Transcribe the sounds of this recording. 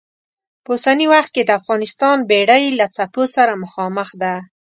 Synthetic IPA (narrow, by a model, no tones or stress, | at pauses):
pəusaniwaxt̪̚ked̪əafɣɑnɪst̪ɑnbeɽajlat͡saposaɾaməxɑməxd̪a